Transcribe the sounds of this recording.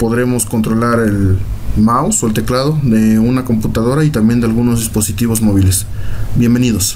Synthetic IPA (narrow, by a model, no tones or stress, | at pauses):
po̞ðɾe̞mo̞sko̞nt̪ɾo̞laɾe̞lmawsoelt̪e̞klað̞o̞ðe̞unako̞mput̪aðo̞ɾait̪ambje̞nd̪e̞alɣuno̞zðispo̞sit̪iβo̞zmo̞βile̞s | bje̞mbe̞niðo̞s